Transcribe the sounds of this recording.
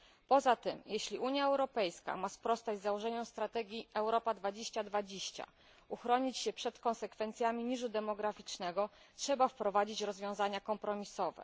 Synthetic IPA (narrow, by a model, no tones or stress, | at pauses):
pɔzat̪ɘmjeɕlʲiʔuɲjaɛwɾɔpɛjska̰maspɾɔst̪ad͡ʑzawɔʐɛɲɔ̃w̃st̪ɾat̪ɛɡʲjiɛwɾɔpad̪vad͡ʑeɕt͡ɕad̪vad͡ʑeɕt͡ɕa̰ | uxɾɔɲit͡ɕɕɛpʂɛt̪kɔnsɛkfɛnt̪sʲjamʲiɲiʐud̪ɛmɔɡɾafʲit͡ʂnɛɡɔ | tʂɛbafpɾɔvad͡ʑit͡ɕɾɔzvʲjɔ̃w̃zaɲakɔmpɾɔmʲisɔvɛ̰